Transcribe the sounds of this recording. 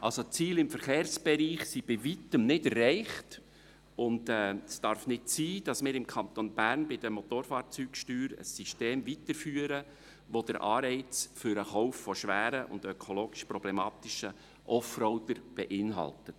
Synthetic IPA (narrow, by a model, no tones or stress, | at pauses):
ʔɑlsot͡siːlɪmfəɾχeːrsb̥ɛɾiːχsib̥ɪʋitəmnɪdɛrɛɪχt | ʊndɛːsd̥ɑɾfnɪtsiːd̥ɑsmɪːɾɪmkʰɑnt̪onbæːɾnbɪd̥əmot̪oːɾfɑːɾt͡syːkʃtyːɾə̰sːiʃteːmvitəɾfyːəɾə | ʋod̥əɾʔɑːɾɛɪt͡sfʏɾəχɔʊfːɔʃʋæːɾəʔʊ̰ndœkʰoloːɡ̥ɪʃpɾɔb̥lɛmɑːt̪ɪʃə | ʔɔfɾɔʊdəɾb̥ɛʔɪnɦɑ̰ltət